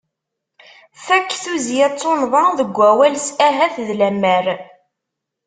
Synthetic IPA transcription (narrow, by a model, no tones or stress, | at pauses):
θækːθuzijæt͡sˤːonðˤɑðəɡʷːæwælsæɦæθðlæmːæɾ